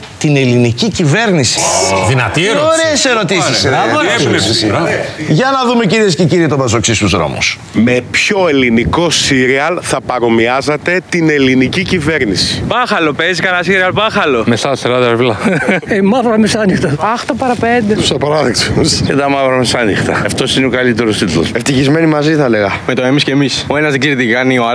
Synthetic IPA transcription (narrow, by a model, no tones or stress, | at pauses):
t̪ine̞linicicive̞ɾnisi̥ðinɐt̪ioɾeːse̞ɾo̞t̪isiseelesisiʝɐnɐðume̞ciɾies̬ceciɾit̪obɐs̬oksist̪uzðɾo̞̰mṵs | me̞pço̞e̞liniko̞siɾiɐlθɐpɐɾo̞miɐzɐt̪e̞t̪ine̞linicicive̞ɾnisi̥pɐxɐlo̞pezikɐnɐsiɾiɐlpɐxɐlo̞meθɐsɐɾɐd̪ɐɾivlɐemɐvɾɐmisɐnixt̪ɐɐxt̪opɐɾɐpend̪eu̥sɐpɐɾɐðeksscet̪ɐmɐvɾɐmesɐnixt̪ɐɐft̪o̞sineokɐlit̪eɾust̪it̪ulo̰seft̪içizme̞nimɐziθɐle̞ɣɐmet̪oemiscemisoenɐzðiɟiɾt̪iɐnio